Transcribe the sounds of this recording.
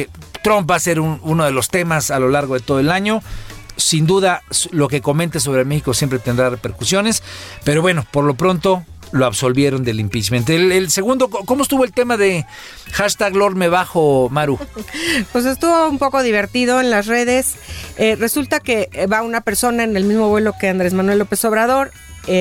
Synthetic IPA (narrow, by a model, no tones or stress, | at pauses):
t̪ɾomp̚baːse̞ɾununo̞ðe̞lo̞st̪e̞masalo̞laɾɣo̞ðet̪o̞ðoe̞laɲo̞sind̪uðaslo̞ke̞ko̞ment̪es̬o̞βɾemexiko̞sjempɾe̞t̪end̪ɾarepe̞ɾkusjo̞ne̞spe̞ɾo̞βwe̞no̞po̞ɾlo̞pɾo̞nt̪o̞ | loaβso̞lβje̞ɾo̞nd̪e̞limpisment̪elelse̞ɣund̪o̞koko̞moest̪uβoelt̪e̞maðe̞ | xaʃt̪aɣlo̞ɾmeβaxo̞maɾu | pwes̬e̞st̪uβo̞umpo̞ko̞ðiβ̞e̞ɾt̪iðo̞enlasre̞ð̞e̞s | ere̞sult̪ake̞βaunape̞ɾso̞naene̞lmizmo̞βwe̞lo̞ke̞and̪ɾezmanwe̞lːo̞pe̞so̞βɾaðo̞ɾ | e